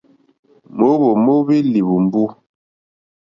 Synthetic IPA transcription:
mo˦bo˨mo˦bi˦li˨bu˨m˨bu˦

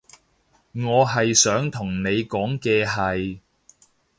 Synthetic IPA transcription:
ŋɔː˨˧ɦɐ˨jsœː˨˥ŋt̪ʰʊ˨˩ŋne˨˧jkɔː˨˥ŋkɛː˧ɦɐ˨j

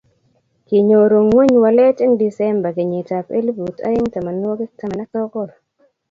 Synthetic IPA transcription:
ki˨ɲo˨ɾo˨ŋwe˦ɲwa˨lɛ˦te˦ŋdi˨sɛ˦mba˨kɪ˨ɲɪ˨ta˨pḛ˦li˦bu˨ta̰˦ɪ˦ŋta˨ma˨n˦o˦ki˦ta˨ma˨na˦kɔ˦kɔ˦˨ɾ

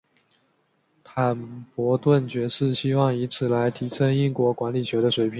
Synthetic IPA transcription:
t̪ʰa˨˩npwɔ˧˥t̪wə˥˩nt͡ɕɥɛ˧˥ʂɻ̩˥˩ɕi˥wɑ˥˩ŋi˧˥t͡sʰɹ̩˨˩la˧˥ɪt̪ʰi˧˥ʂʰə˥ŋi˥ŋkwɔ˧˥kwa˧˥nli˨˩ɕɥɛ˧˥ɾə˧ʂwe˧˥ɪpʰi˨˩˦ŋ

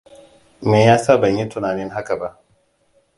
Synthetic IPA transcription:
meː˨jaː˦sa˦˨bɐ˨ɲji˦tʊ˨naː˨nɪ˦ŋɦa˦ka˨ba˦ʔ

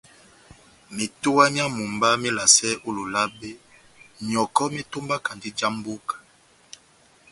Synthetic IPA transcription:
me˨tu˦wa˦mja˦mu˨mba˦me˦la˨sɛ˦ʔo˦lo˨la˦be˦ | ɲ˨ɔ˨kɔ˦me˦to˦mba˦ka˨ndi˦d͡ʒa˦mbu˦kḁ˨

